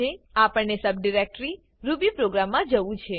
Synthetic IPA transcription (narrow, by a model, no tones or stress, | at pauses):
eapəɳnesəb̚ɖiɾek̚ʈɾi | ɾubipɾoɡɾamːãd͡ʒəʋũt͡ʃʰe